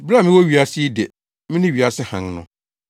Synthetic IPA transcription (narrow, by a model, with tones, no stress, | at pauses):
bɾa˦˨mɪ̃˦wɔ˦ɥi˨a˦sɪ˦dɛ˨ | mɪ̃˦nɪ̃˦ɥi˨a˨sɪ˦hã˨nnʊ̃˦